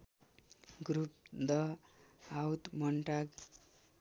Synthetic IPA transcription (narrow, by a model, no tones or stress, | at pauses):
ɡɾup̚d̪ʌɦawt̪mʌɳʈaɡ